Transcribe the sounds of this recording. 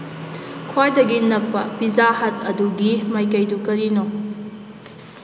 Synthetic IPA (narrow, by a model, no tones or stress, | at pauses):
kʰwajdɐɡinɐk̚pɐpizahɐtʰɐduɡimajkɐjdukɐɾino